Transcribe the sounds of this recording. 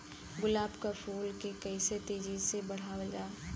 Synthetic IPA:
ɡʊlaːbkafʰuːlkekɛɪset̪eːd͡ʒizsebɐɽ̤aːʋd͡ʒaː

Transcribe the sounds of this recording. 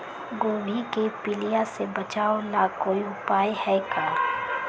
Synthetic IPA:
ɡoːʋikepɪlijasebɐt͡ʃaːolakoːiʊpaːjhɛːkaː

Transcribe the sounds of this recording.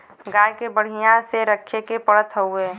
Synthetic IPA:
ɡaːjkebəɽ̤ijãseɾəkʰekepəɽət̪ɦəueː

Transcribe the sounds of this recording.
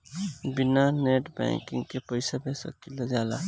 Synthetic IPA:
binaneʈbɛ̰̃ŋkɪ̃ŋɡkepəɪsabesə̰kːiləd͡ʒaːla

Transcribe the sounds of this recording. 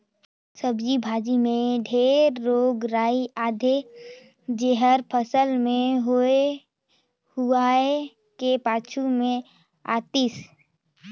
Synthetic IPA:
səbd͡ʒibʱaːd͡ʒimẽɖʱeːɾːoːɡɾaːiʔaːd̪ʱe | d͡ʒeɦəɾpʰəsəlmẽɦoe | huaːe | kepaːt͡ʃʰumẽ | a̰ːt̪is

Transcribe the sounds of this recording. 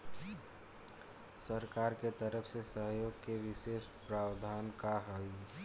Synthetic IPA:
səɾkaːɾket̪əɾəpʰsesəɦjoːɡkeʋɪseːspɾaːwd̪ʱaːnkaɦoi

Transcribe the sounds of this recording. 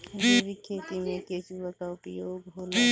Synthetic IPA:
sebikʰːeːt̪imẽkeːsʋakaʊpjoːɡɦoːla

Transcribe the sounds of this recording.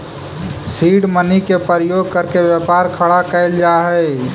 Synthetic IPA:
siɖmənikepəɾjoɡ̚kəɾkebjəpaɾkʰəɽakəɪld͡ʒaɦɛ

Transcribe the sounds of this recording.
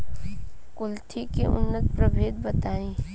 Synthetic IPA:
kʊlt̪ʰikḭʔʊ̰nːət̪̚pɾəbʱeːd̪̚bət̪aːĩː

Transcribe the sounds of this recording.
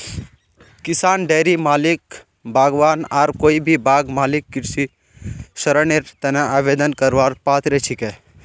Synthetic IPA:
kisaːnɖeːɾimaːlik | bʱaːɡʋaːnaːɾkoːibʱibʱaːɡmaːlikːiʈsi | sɐɾəneɾt̪ɐneaːbeːd̪ənkɐɾʋaːɾpaːt̪ɾet͡ʃʰike

